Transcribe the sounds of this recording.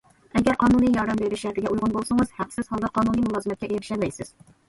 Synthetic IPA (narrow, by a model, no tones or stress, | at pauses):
ɛɡʲæɾqʰɑːnunijɑɾd̪ɛmbeɾɪʃʃæɾt̪ʰɪɡʲɛʔujʁʊnbolˠsɨŋɨz̥hæqsɪz̥hɑlˠd̪ɑqʰɑːnunijmulˠɑːzɨmɛt̪kʲɛʔeɾɪʃɛlmɛjsɪz̥